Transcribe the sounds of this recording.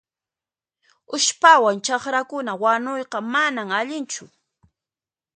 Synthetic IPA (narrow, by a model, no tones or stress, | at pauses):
ʊʃpawant͡ʃɑχɾakʊnawanojqɑmanamaʎɪnt͡ʃʊ